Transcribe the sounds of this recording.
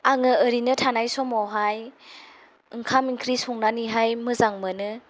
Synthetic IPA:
aŋɯəɾinɯtʰanajsɔmɔwɦaj | ɯŋkʰamiŋkʰɾisɔŋnaniɦajmɯzaŋmɯnɯ

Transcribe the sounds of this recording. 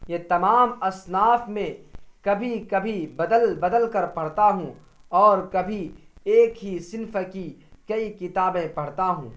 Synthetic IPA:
jet̪ɐmaːmɐsnaːfmẽkɐbʱikɐbʱibɐd̪əlbɐd̪əlkɐɾpɐɽ̤t̪aɦũ | ɔːɾkɐbʱieːkɦisɪnfkikɐikɪt̪aːbẽpɐɽ̤t̪aɦũː

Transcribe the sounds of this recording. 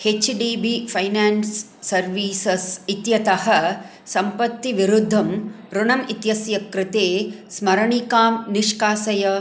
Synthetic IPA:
het͡ʃɖiːbipʰɐjnaːnsː | ɐɾʋiːsɐsit̪jɐt̪ɐɦɐ | sɐmpɐt̪ːiʋiɾud̪ʱːɐmpɾuɳɐmit̪jɐsjɐkɾɪt̪eːsmɐɾɐɳikaːmniʂkaːsɐjɐ

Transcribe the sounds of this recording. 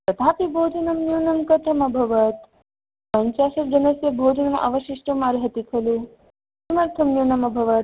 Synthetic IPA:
pɾɐt̪aːpibʱoːd͡ʒɐnɐmnjuːnɐmkɐt̪ʰɐmɐbʱɐʋɐt̪ | pɐɲt͡ʃaːʃɐɾd͡ʒɐnɐsjɐbʱoːd͡ʒɐnɐmɐ̰ʋɐʃiʂʈɐmaɾɦɐt̪ikʰɐlu | sɐmɐɾt̪ʰɐmnjuːnɐmɐbʱɐʋɐt̪̚

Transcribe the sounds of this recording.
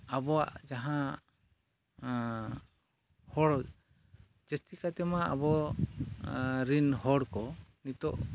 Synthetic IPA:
abɔaʔd͡ʒaɦã | hɔɽ | d͡ʒɛst̪ikat̪ɛmaa̰bɔ | ɾinhɔɽkɔnit̪ɔ̰ʔ

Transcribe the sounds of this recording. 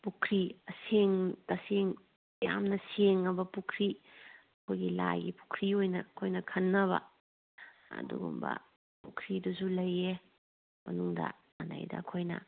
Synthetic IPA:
pukʰɾiɐseŋtɐseŋ | ja̰mnɐseŋːɐbɐpukʰɾiɐkʰojɡilajɡipu̥kʰɾiojnɐkʰojnɐkʰɐnːɐβɐ̰ | ɐ̰duɡṵmbɐ̰ | pukʰɾiduzulɐje | mɐnuŋdɐ̰ | mana̰jdɐ̰kʰojnɐ̰

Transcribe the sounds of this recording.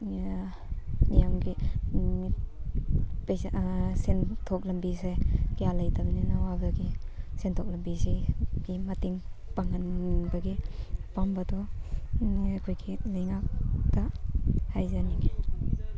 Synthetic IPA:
nijamɡi | pesentʰɔk̚lɐmbisejkejalajtabɐninawabaɡisentʰɔk̚lɐmbiseɡ̥imatiŋpaŋanbɐɡipambadɔ | kʰojɡilajŋak̚tahajzaniŋe

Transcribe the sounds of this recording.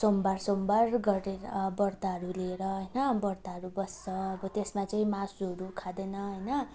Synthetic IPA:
sombarsombarɡʌɾeɾʌbʌrt̪aɦʌɾuleɾʌɦʌjnʌbʌrt̪aɦʌɾubʌsːʰʌʌbʌt̪esmat͡saĩmasuɦʌɾukʰad̪enʌɦʌjnʌ

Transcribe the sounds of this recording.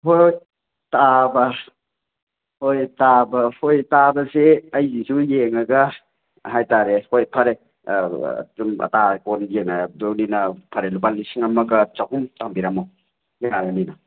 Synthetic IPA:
hoj | tabɐ | hojtabɐhojtabɐzeɐjzizujeŋɐɡɐ | ɦajtaɾehojpʰaɾḛ | dumɐ̰takonjeŋadoninɐpʰaɾelupalːisiŋɐmɐɡɐt͡ʃakumtaŋbiɾamaw | jeaɾamina

